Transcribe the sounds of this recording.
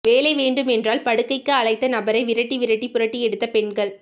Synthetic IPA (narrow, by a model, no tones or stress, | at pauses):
ʋeːlɐɪʋeːɳɖɯmɛndraːlpɐɽɯkːɐɪkːɯɐɭɐɪt̪ːɐnɐbɐɾɐɪʋɪɾɐʈːiʋɪɾɐʈːipɯɾɐʈːiɛɽɯt̪ːɐpɛɳɡɐɭ